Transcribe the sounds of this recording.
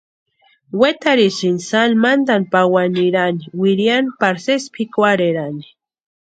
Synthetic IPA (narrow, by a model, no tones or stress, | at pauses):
wet̪aɾisinsalmand̪anpawaniɾaniwiɾjanpaɾsespʰikʷaɾeɾani̥